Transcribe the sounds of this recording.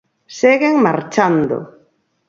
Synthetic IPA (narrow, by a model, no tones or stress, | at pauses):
seɣeŋmaɾt͡ʃand̪o̰